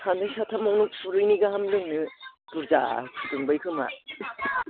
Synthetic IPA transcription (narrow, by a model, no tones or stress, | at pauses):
sʰandɯjsʰatʰamɔwnɯpʰuɾɯjniɡaɦamlɯŋnɯpuɾza̰kʰɯdɯŋbɯjkʰɯma̰